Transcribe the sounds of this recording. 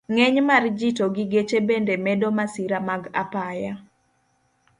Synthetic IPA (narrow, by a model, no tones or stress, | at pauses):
ŋɛɲmard͡ʒitoɡiɡet͡ʃebendemɛdomasiɾamaɡa̰paja